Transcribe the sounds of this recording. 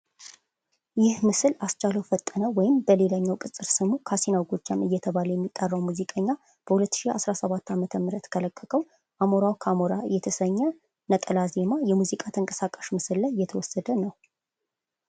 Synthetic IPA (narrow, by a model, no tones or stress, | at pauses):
jɪhmɨsɨlast͡ʃaləwfət̪ʼːənəwɔjɪmbəle̞laɲːawkʼɨsʼɨɾsɨmukʰasinawɡod͡ʒːamɨjːɛt̪ʰəβaləjɛmːit̪ʼːərːəwmuzikʼəɲːa | b̥əhulət̪ːɨʃia̰sɾasəβat̪ːamət̪ʰəmɨɾət̪kʰələkʰʼːəkʰʼəw | ʔamoɾawkʰamoɾajɛt̪ʰəsəɲːə | nət̪ʼəlaze̞majɛmuzikʼat̪ʰəŋkʼə̥sakʼaʃmɨsɨlːajjːɛt̪ʰəwɔsːəd̪ənəw